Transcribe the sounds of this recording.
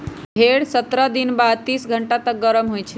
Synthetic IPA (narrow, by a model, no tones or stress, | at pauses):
bʱeɽsət̪ɾad̪inbad̪̚t̪isɡʱəɳʈat̪ək̚ɡəɾəmɦojt͡ʃʰɛ